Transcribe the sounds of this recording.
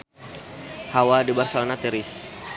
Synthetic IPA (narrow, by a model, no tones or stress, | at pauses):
hawadibarsalnat̪ɛɾɪs